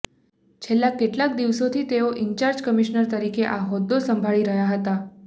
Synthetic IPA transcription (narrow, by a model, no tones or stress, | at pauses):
t͡ʃʰelːakːeʈlak̚d̪iʋsot̪ʰit̪eoʔiɲt͡ʃaɾd͡ʒkəmiʃnəɾt̪əɾikeʔaɦɔd̪ːosəmbʱaɭiɾəɦjaɦət̪a